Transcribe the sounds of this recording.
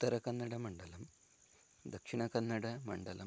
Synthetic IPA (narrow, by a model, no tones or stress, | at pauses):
t̪ːɐɾɐkːɐnːɐɽemɐɳɖɐlɐm | d̪ɐkʂiɳɐkɐnːɐɽemɐ̰ɳɖɐlɐ̰m